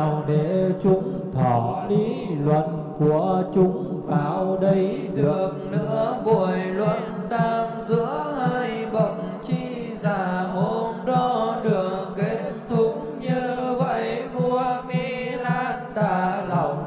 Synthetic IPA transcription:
wɗe˧˩t͡ɕʊ˨˧˦ŋ͡m | t̪ʰɔ˧˩li˧˦lwə̰˧˨n | ku˧˩ət͡ɕʊ˧ŋ͡mt̪aː˧˩wɗə˧j | ɗɨ˨˩ək̚nɨ̰˧˥əɓo˧˩əjlwə̰˧˨n | t̪aː˧mzɨ̰˧˥əhaː˧jɓə̰˧˩ŋ͡m | t͡ɕi˧ | zaː˧˩ɦo˧˩mɗɔ˧ɗɨ˨˩əŋke˨˦tt̪ʰu˨˦ŋ | ɲɨ˧və̰˧˨jmu˧əmi˧laː˧nɗ̪aː˧˩lə˨˩wŋ͡m̚

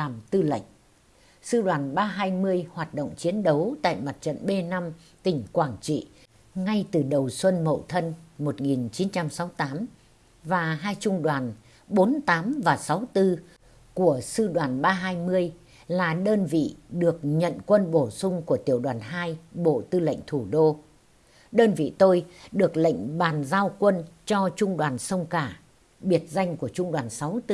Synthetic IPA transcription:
aː˨˩mt̪ɨ˧lə̰˧˨ŋ̟ | sɨ̰˧ɗwaː˨˩nɓaː˧ɦaː˧jmɨ˧əjhwaː˨˩t̚ɗo̰˧˨wŋ͡mt͡ɕi˨˦ənɗə˨˦wt̪a̰ː˧˨jma˨˩t̚t͡ɕə̰˧˨nɓe˧na˧m | t̪ï˧˩ŋ̟kwaː˧˩ŋt͡ɕḭ˧˨ | ŋa˧jt̪ɨ˨˩ɗə˨˩wswə˧nmə̰˧˨wt̪ʰə˧nmo˨˩t̚ŋi˨˩nt͡ɕi˨˦nt͡ɕa˧msa˨˦wt̪aː˨˦m | vaː˨˩ɦaː˧jt͡ɕʊ˧ŋ͡mɗwaː˨˩n | ɓo˨˦nt̪aː˨˦mvaː˨˩sa˨˦wt̪ɨ˧ | ku˧˩əsɨ˧ɗwaː˨˩nɓaː˧ɦaː˧jmɨ˧əj | laː˨˩ɗəː˧nvḭ˧˨ɗɨ˨˩ək̚ɲə̰˧˨nkwə˧nɓo˧˩sʊ˧ŋ͡mku˧˩ət̪i˧˩əwɗwaː˨˩nɦaː˧jɓo̰˧˨t̪ɨ˧lə̰˧˨jŋ̟t̪ʰu˧˩ɗo˧ | ɗəː˧nvḭ˧˨t̪o˧jɗɨ˨˩ək̚lə̰˧˨jŋ̟ɓaː˨˩nzaː˧wkwə˧nt͡ɕɔ˧t͡ɕʊ˧ŋ͡mɗwaː˨˩nsə˧wŋ͡mkaː˧˩ | ɓi˨˩ət̚za˧jŋ̟ku˧˩ət͡ɕʊ˧ŋ͡mɗwaː˨˩nsa˨˦wt̪ɨ˧

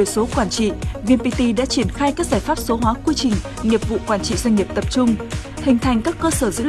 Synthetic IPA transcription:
so˨˦kwaː˧˩nt͡ɕḭ˧˨vi˧npi˧t̪i˧ɗa̰ː˧˥t͡ɕi˧˩ənxaː˧jkaː˦˥k̚zaː˧˩jfaː˦˥p̚so˨˦ɦwaː˨˦kwi˧t͡ɕï˨˩ŋ̟ | ɲi˨˩əp̚vṵ˧˨kwaː˧˩nt͡ɕḭ˧˨zwjŋ̟ŋi˨˩əp̚t̪ə˨˩p̚t͡ɕʊ˧ŋ͡m | hï˨˩ŋ̟t̪ʰa˨˩jŋ̟kaː˦˥kːəː˧səː˧˩zɨ̰˧˥

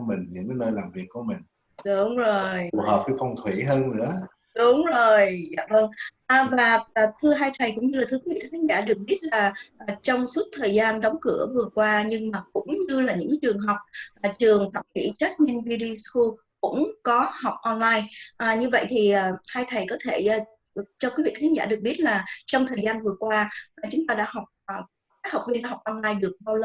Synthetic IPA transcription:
mï˨˩ŋ̟ɲɨ̰˧˥ŋkaː˨˦jnəː˧jlaː˨˩mvi˨˩ək̚ku˧˩˦mï˨˩ŋ̟ | ɗʊ˨˦ŋ͡mzo˨˩jɦəː˨˩p̚ki˧˦fɔ˧wŋ͡mt̪ʰwḭ˧˩ɦəː˧nnɨ̰˧˥ə | ɗʊ˨˦ŋ͡mzo˨˩jza̰ː˧˨və˧ŋʔəː˨˩vaː˨˩˨t̪ʰɨ˧əɦaː˧jt̪ʰə˨˩jkʊ˧˥ŋ͡mɲɨ˧laː˨˩t̪ʰɨ˨˦kwi˧˦vḭ˧˨t̪ʰːt̪ʰːŋ̚za̰ː˧˩ɗɨ˨˩ək̚ɓi˦˥ət̚laː˨˩ʔaː˨˩t͡ɕɔ˧wŋ͡msu˦˥t̚t̪ʰəː˨˩jzaː˧nɗɔ˨˦wŋ͡mkɨ̰˧˩əvɨ˨˩əkwaː˧ɲɨ˧ŋmaː˨˩kʊ̰˧˥ŋ͡mɲɨ˧laː˨˩ɲɨ̰˧˥ŋ˧t͡ɕɨ˨˩əŋɦɔ˨˩wk͡p̚ʔt͡ɕɨ˨˩əŋfʰa̰˧˩ŋkḭ˧˩t͡ɕɛ˦˥smi˧nvi˧ɗi˧sku˧ | kʊ̰˧˥ŋ͡mkɔ˨˦ha˨˩wk͡p̚ʔɔ˧nlaː˧jʔaː˨˩ɲɨ˧və̰˧˨jt̪ʰi˨˩ʔaː˨˩haː˧jt̪ʰə˨˩jkɔ˨˦t̪ʰe˧˩˨ | t͡ɕɔ˧kwi˨˦vḭ˧˨a˨˦˥ŋzaː˧˩ɗɨ˨˩ək̚ɓi˦˥ət̚laː˨˩t͡ɕɔ˧wŋ͡mt̪ʰəː˨˩zaː˧nvɨ˨˩əkwaː˧ʔa˨˩t͡ɕʊ˨˦ŋ͡mt̪aː˧ɗa̰ː˧˥ɦɔ˨˩wk͡p̚ː | kaː˨˦˥jha˨˩k͡p̚vi˧naː˧˩ɦa˨˩k͡p̚ʔɔ˧nlaː˧jɗɨ˨˩ək̚ɓaː˧wlə˧

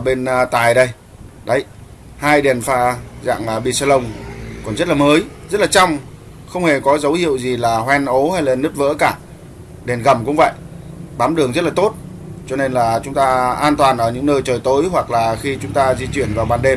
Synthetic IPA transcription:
ə˧˩ɓe˧nt̪aː˨˩jɗə˧j | ɗə˨˦j | haː˧jɗe˨˩nfaː˧za̰ː˧˨ŋː˨˩ɓḭ˧˨saː˧lə˧wŋ͡mkɔ˨˩nzə˦˥t̚laː˨˩məː˨˦jzə˦˥t̚laː˨˩t͡ɕa˧wŋ͡m | xə˧wŋ͡mhe˨˩kɔ˨˦zə˨˦whḭ˧˨əwzi˨˩laː˨˩hwɛ˧nʔo˨˦ha˧jlaː˨˩nɨ˦˥t̚və̰ː˧˥kaː˧˩ | ɗe˨˩nɣə˨˩mkʊ̰˧˥ŋ͡mvə̰˧˨jʔɓaː˨˦mɗɨ˨˩əŋzə˦˥t̚laː˨t̪o˦˥t̚ | t͡ɕɔ˧ne˧nlaː˨˩t͡ɕʊ˨˦ŋ͡mt̪aː˧ʔaː˧nt̪waː˨˩nʔəː˧˩ɲɨ̰˧˥ŋnəː˧jt͡ɕəː˨˩jt̪o˨˦jɦwa˨˩k̚laː˨˩xi˧t͡ɕʊ˨˦ŋ͡mt̪aː˧zi˧t͡ɕwi˧˩ənvaː˨˩wɓaː˧nɗe˧m

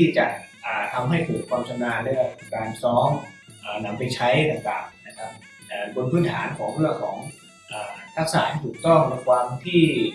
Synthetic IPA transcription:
t̪ʰiː˥˩t͡ɕa̰˨˩ʔʔaː˨˩t̪ʰa˧mɦa˥˩jpʰɤː˨˩t̪̚pʰɔː˧mt͡ɕʰa˧naː˧lɛ˦˥˩kaː˧nsɔː˦˥ŋ | ʔəː˨˩na˧mpa˧jt͡ɕʰa˦˥jt̪a˨˩t̪a̰ː˨˩ŋna˦˥kʰa˦˥p̚ | ʔəː˨˩bo˧npʰɯː˦˥˩nt̪ʰaː˩˦nkʰɔː˩˦ŋpʰɯ˥˩əkʰɔː˩˦ŋ | ʔəː˨˩t̪ʰa˦˥k̚sa̰ː˩˦nt̪ʰuː˨˩k̚t̪ɔ˥˩ŋlo˧t̚wa˧ŋt̪ʰiː˥˩

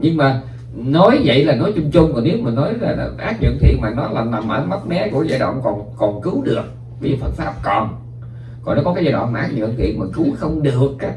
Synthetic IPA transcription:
ɲɨ˧ŋmaː˨˩ | nɔ˨˦jvə̰˧˨jlaː˨˩nɔ˨˦jt͡ɕʊ˧ŋ͡mt͡ɕʊ˧wŋ͡mkɔ˨˩ni˨˦əwmə˨˩nnɔ˨˦jlaː˨˩˨ʔaː˦˥t̚ɲə̰˧˨ənt̪ʰḭ˧˨ənmaː˨˩nɔ˨˦jlaː˨˩na˨˩mʔəː˧˩ma˦˥t̚mɛ˨˦ku˧˩əza̰ː˧˩ɗə̰˧˨wŋ͡mkɔ˨˩nkɔ˨˩nkɨ˨˦wɗɨ˨˩ək̚ | vi˧˦zṵ˧˨˩fə˨˩t̚faː˦˥p̚kɔ˨˩n | kɔ˨˩nɔ˨˦kɔ˦kːaː˨˦zaː˧˩wɔ̰ː˧˨nmː˨˩ʔaː˦˥k̚ɲə̰˧˨ənt̪ʰḭ˧˨ənmaː˨˩kɨ˨˦wxə˧wŋ͡mɗɨ˨˩əkːaː˦k̚

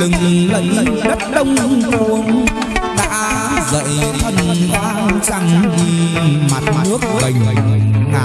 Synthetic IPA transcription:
ɨ˨˩ŋlə̰˧˨ŋ˧ɗə˦˥t̚ɗə˧wŋ͡mku˨˧˩ən | ɗa̰ː˧˥ | zə̰ː˧˨jt̪ʰə˧nɓa̰˧˥t͡ɕa˧ŋvi˧ma˨˩t̚nɨ˦˥ək̚ə˨˩ŋ˨˩˨

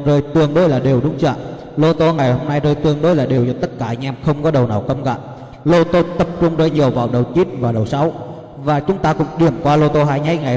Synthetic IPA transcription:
zəː˧˩jt̪ɨ˨˧˩əŋɗo˧˦jlaː˨˩ɗi˨˩əwɗʊ˨˦ŋ͡mt͡ɕə̰ː˧˨ʔ | lo˧t̪o˧ŋa˨˩jho˧mna˧jzəː˧jt̪ɨ˧˩əŋɗo˧˦jlaː˨˩ɗi˨˩əwt͡ɕɔ˧˦t̪ə˦˥t̚kaː˧˩ɲa˧˩mxə˧wŋ͡mkɔ˨˦ɗə˨˩wnaː˨˩wkə˧mɣa̰ː˧˨j | lo˧t̪o˧t̪ə˨˩p̚t͡ɕʊ˧ŋ͡mzəː˧jɲi˨˩əwvaː˨˩wɗə˨˩wt͡ɕi˦˥t̚vaː˨˩ɗə˨˩wsa˨˦w | vaː˨˩t͡ɕʊ˨˦ŋ͡mt̪aː˧kʊ̰˧˥ŋ͡mɗi˨˩əmkwaː˧lo˧t̪o˧ɦaː˧jɲa˨˦˥j̚ŋa˨˩

